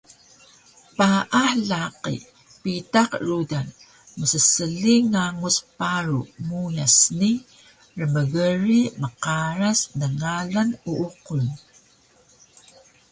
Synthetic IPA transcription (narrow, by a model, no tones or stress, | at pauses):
paʔaħlaqḭ | pitaqrudan | məsəsəliŋaŋuspaɾṵmujasni | rəməɣəɾiməqaɾasnəŋalanuʔuqun